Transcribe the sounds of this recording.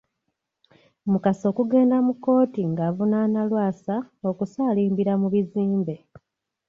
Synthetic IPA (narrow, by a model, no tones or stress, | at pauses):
mukaso̞ːkuɡe̞ːndamukːo̞ːtiŋɡavunaːnalwaːsao̞kusaːliːmbiɾamuβiziːmbe̞